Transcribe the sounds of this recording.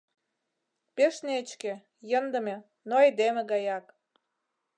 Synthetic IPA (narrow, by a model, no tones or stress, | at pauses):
peʃneət͡ɕkĕ | jənd̪ə̆me | noed̪emĕɣɑjɑk